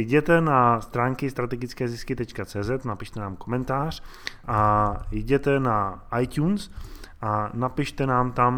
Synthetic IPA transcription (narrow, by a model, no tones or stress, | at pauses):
ɟɛt̪ɛnast̪ɾaːŋkɪst̪ɾat̪ɛɡɪt͡skɛːzɪskɪt̪ɛt͡ʃkat͡sɛːzɛt̪napɪʃt̪ɛnaːmko̞mɛnt̪aːr̝̥ | ʔajɟɛt̪ɛnaʔajt̪c̪uːnsʔanapɪʃt̪ɛnaːmt̪am